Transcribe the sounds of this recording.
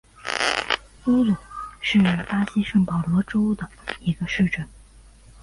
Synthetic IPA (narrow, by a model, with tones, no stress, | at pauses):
u˥lu˨˩˦ʂɻ̩˥˩˨pa˥ɕi˥ʂɤ˥˩ŋpɑ˨˩ʊlwɔ˧˥ʈ͡ʂo˥ʊd̪ə˨i˧˥ɡə˧ʂɻ̩˥˧ʈ͡ʂə˥˩n